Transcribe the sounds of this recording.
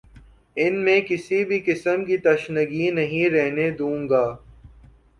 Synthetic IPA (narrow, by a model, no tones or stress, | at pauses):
ɪnmẽkɪsibʱikɪsəmkit̪ɐʃnəɡinɐɦĩɾɛɦned̪ũːŋɡaː